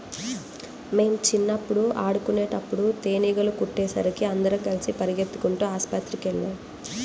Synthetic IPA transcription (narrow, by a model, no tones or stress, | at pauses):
me̞ːmt͡ʃinːɐpːuɽuʔaːɽukuneːʈɐpːuɽut̪eːniːɡɐlukuʈːeːsɐ̰ɾikiɐnd̪ɐɾɐkɐlisipɐɾiɡet̪ːu̥kuɳʈuːaːspɐt̪ɾikɛɭːaːn